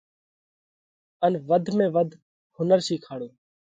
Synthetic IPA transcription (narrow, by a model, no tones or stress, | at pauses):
ənʋəd̪ʱmẽːʋəd̪ʱ | hʊnəɾsiːkʰaːɽoː